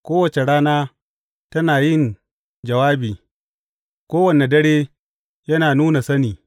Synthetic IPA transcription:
kʷoː˦wɐ˨t͡ʃe˨ɽaː˦naː˦ | tɐ˦naː˨jɪ˦˨n | d͡ʒɐ˨waː˦biː˨ | kʷoː˦wɐ˨ne˨dɐ˦ɽeː˦ | jɐ˦naː˨nuː˦na˨sɐ˦niː˨

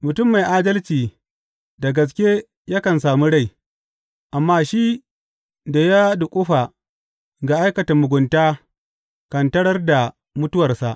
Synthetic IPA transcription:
mʊ˨tʊ˦mːa˨jʔaː˦dɐ˦lt͡ʃiː˨ | da˨ɡɐ˨s̬kʲe˦ | ja˦kɐ˨nsaː˨mu˦ɽa˦˨j | ʔa˨mːaː˦ʃi˦ | da˨ja˦dʊ˨kʷʼʊ˦ɸa˨ | ɡa˨ʔa˦jkɐ˨tɐ˨mʊ˨ɡʷʊ˨ntaː˦ | kɐ˨ntɐ˦ɽɐ˦rda˨ | mʊ˦tʊ˦wɐ˨rsa˨ʔ

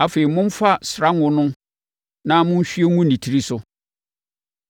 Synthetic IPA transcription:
a˨fe˨i˨mʊ̃˦m̩˦fa˦sɾa˦ŋʊ̃˦nʊ̃˦ | nã˦mʊ̃˦n̩˦ɕᶣi˦e˦ŋũ˦nĩ˨tʰi˨˦ɾi˦sʊ˦

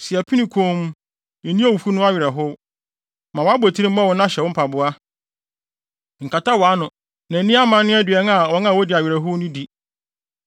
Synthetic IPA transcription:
sɪ˨ɛ˨pʰi˦nĩ˨kʰõ˦m˦ | ɛ̃˨nĩ˦a˦wu˨fu˦nʊ̃˦a˦ɥɪ˨ɾɛ˨ɦʊ˦ | mã˨wɔ˨˦a˦ba˨tʰi˦ɾĩ˦m̩˦mã˦˨wɔ̃˦n˦ã˦ɕɛ˨wʊ̃˦pʰa˨bʊ˦a˦ | ŋ̩˨kʰa˨ta˦wa˨˦nʊ̃˨ | nã˨˦nĩ˦a˦mã˨˦nː˦ʊ̃˦æ˦dɪ˨ɛ˦na˨wɔ˦nã˦˨wɔ˦dɪ˨a˨ɥɪ˨ɾɛ˨ɦʊ˦nʊ̃˦di˨

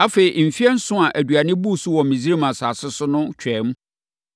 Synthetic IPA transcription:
a˦fe˨ɾi˨m̩˨fi˦ɛ˦n̩˦sʊ̃˦a˨ʔæ˨du˨a˨nɪ̃˦bu˦˨sʊ˦wɔ˨mĩ˨zi˦ɾi˦mã˨saː˨sɪ˦sʊ˦nʊ̃˦t͡ɕʰᶣɛ˨˦m̩˦

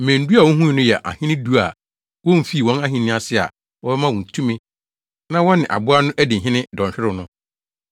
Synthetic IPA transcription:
m̩˨mæ̃˨n̩˨˦du˦a˨wɔ̃˦ɦũ˦ĩ˨nʊ̃˦jɛ˨ʔa̰˨hɪ̃˦nɪ̃˦du˦a˨ | wɔ̃˦m̩˨fi˦˨wɔ̃˦na˦ɦĩ˨nɪ̃˦a˨sɪ˦a̰˨ | wɔ˦bɛ˦mã˦wɔ̃˨n̩˨tʰũ˦mĩ˦ | nã˦wɔ˦nɪ̃˨ʔa̰˨bʊ˦a˦nʊ̃˦ʔæ˦dɪ̃˨ɦɪ̃˦nɪ̃˦dɔ̃˨ɲɕᶣɪ˦ɾɪ˦˨nʊ̃˦

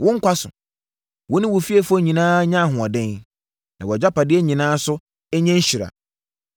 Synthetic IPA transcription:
wʊ̃˦ŋ̩˦kʷʰa˦sʊ˨ | wɔ˦nɪ̃˦wʊ˨fi˦ɛ˦fɔ˦˨ɲĩ˨nãː˦ɲã˦˨ɦʊ̃˨ɔ˨dɛ̃˦n | nã˨wɔ˨d͡ʑa˦pa˨dɪ˦ɛ˦ɲĩ˨nãː˦sʊ˦ | ɛ˦ɲɛ̃˦ɲ˦ɕi˨ɾa̰˨

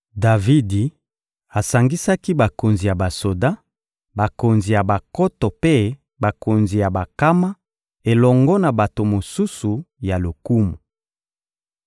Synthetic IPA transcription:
da˨vi˦di˨ | a˨sa˨ŋɡi˦sa˦ki˦ba˨ko˨nzi˨ja˨ba˨so˨da˦ | ba˨ko˨nzi˨ja˨ba˨kɔ˦tɔ˨pe˦ | ba˨ko˨nzi˨ja˨ba˨ka˦ma˦ | e˨lɔ˨ŋɡɔ˦na˨ba˨to˨mo˨su˦su˨ja˨lo˨ku˦mu˨

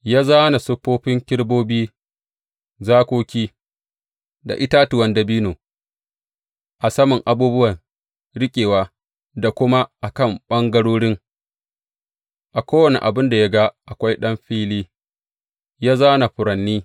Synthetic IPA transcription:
jaː˦zaː˦na˨sʊ˦ɸːoː˦ɸɪ˦ŋkʲɪ˦ɽboː˦biː˦ | zaː˦kʷoː˦kʲiː˦ | da̰˨ʔɪ˦ta˦tʊ˨wɐ˦ndɐ˨biː˦noː˨ | ʔa˨sɐ˦mʊ˨ŋʔa˨buː˦bʊ˦wɐ˨n | ɽɪ˦kʲʼeː˨waː˦ | da˨kʷʊ˦ma˦ʔa˨kɐ˦˨mɓɐ˦ŋɡɐ˦ɽoː˦ɽɪ˦ŋ | ʔa˨kʷoː˦wɐ˨nḛ˨ʔa˨bɪ˦nda˨ja˦ɡa˦ʔa˨kʷa˦jɗɐ˦mɸiː˦liː˦ | jaː˦zaː˦na˨ɸʊ˨ɾɐ˨nːiː˦

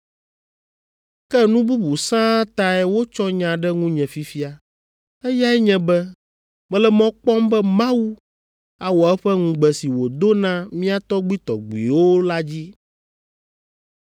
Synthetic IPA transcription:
kɛ˦nũ˦bu˦bu˨sã˦t̪a˦ɛ˦wo˦t͡ʃɔ˦ɲã˨ɖɛ˦ŋũ˦ɲɛ̃˨fi˦fi˦a˨ | ɛ˦ja˦ɛ˦ɲɛ̃˨bɛ˦ | mɛ̃˦lɛ˦mɔ̃˦k͡pɔ˦mbɛ˦mã˦wu˦ | a˨wɔ˨ɛ˦ɸɛ˦ŋũ˨ɡ͡bɛ˨si˨wo˨d̪o˦nã˦mĩ˦a˦t̪ɔ˦ɡ͡bi˦t̪ɔ̰˨ɡ͡bḭ˨wo˦la˦d͡ʑi˦

